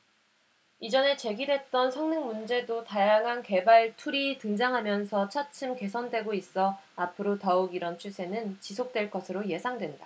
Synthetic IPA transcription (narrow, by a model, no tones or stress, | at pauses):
id͡ʑʌne̞t͡ɕe̞ɡidwe̞t̚t͈ʌnsʰʌŋnɯŋmund͡ʑe̞dotajaŋɦanke̞baɭtʰuɾitɯŋd͡ʑaŋɦamjʌnsʰʌt͡ɕʰat͡ɕʰɯmke̞sʰʌndwe̞ɡois͈ʌapʰɯɾotʌuɡiɾʌnt͡ɕʰusʰe̞nɯnt͡ɕisʰok̚t͈we̞ɭk͈ʌsʰɯɾoje̞sʰaŋdwe̞nda